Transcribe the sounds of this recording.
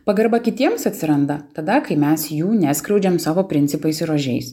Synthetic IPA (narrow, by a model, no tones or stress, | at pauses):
pɐɡɐɾbɐkʲɪt̪ʲiɛmsɐt̪ʲsʲɪɾɐnd̪ɐt̪ɐd̪ɐkɐɪmʲɛsjuːnʲæːskɾɐʊd͡ʒʲɛmsɑːʋoːpʲɾʲɪnʲt̪sʲɪpɐɪsɪɾoːʒʲɛɪs